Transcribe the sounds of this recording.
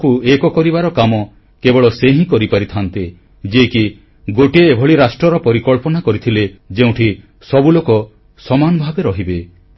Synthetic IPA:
kuekɔkɔɾibaɾɔkamɔ | kebɔɭɔseɦĩkɔɾipaɾit̪ʰant̪i | d͡ʒeki | ɡoʈieːbʱɔɭiɾasʈɾɔɾɔpɔɾikɔɭpɔnakɔɾit̪ʰiled͡ʒeũʈʰi | sɔbulokɔ | sɔmanɔbʱabeɾɔɦibe

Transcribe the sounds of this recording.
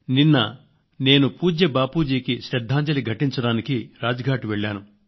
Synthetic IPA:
ninːɐ | ne̞ːnupuːd͡ʒjɐbaːpuːd͡ʒiːkiʃɾɛd̪ʱːaːɲd͡ʒɐliɡʱɐʈiɲt͡ʃɐɽaːnikiɾaːd͡ʒɐɡʱaːʈiʋeɭːaːnu

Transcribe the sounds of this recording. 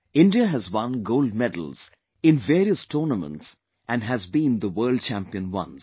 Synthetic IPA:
ɪ̃nɖiəɦæzwʌ̃nɡoʊld̚mɛdl̩z̥ | ɪ̃nveːɾiəstʰɔːnəmə̰̃nts | ʔæ̃nɦæzbĩnd̪əwɜːld̚t͡ʃæ̃mpiə̃nwʌ̰̃nz

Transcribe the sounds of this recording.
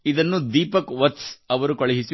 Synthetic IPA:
id̪ɐnːud̪iːpɐkʋɐt̪sɐʋɐɾukɐɭɐɦisi

